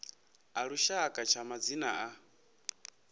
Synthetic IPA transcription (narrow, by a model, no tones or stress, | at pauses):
aɺuʃakʼat͡ʃʰamad͡zinaʔa